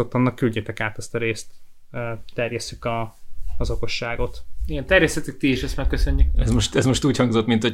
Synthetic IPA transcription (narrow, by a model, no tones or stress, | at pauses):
o̞t̪ːɒnːɒkːylɟet̪ɛkaːt̪ɛst̪ɒɾeːst̪ː | t̪ɛrjɛst̪ːykɒːzo̞ko̞ʃːaːɡo̞t̪iɡɛnt̪ɛrjɛst̪ɛt̪yk̚t̪ieʃɛst̪makːøsø̞ɲːykɛzmoʃt̪ɛzmo̞ʃt̪uːchɒŋɡzo̞t̪ːmint̪ho